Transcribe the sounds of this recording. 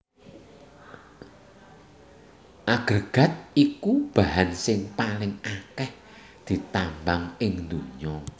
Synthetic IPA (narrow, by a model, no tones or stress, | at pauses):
ʔaɡ̥ərɡ̥ä̤t̪̚ikub̥a̤ɦansɪŋpalɪŋakɛh | d̪̥i̤t̪ambaŋɪŋnd̪uɲɔ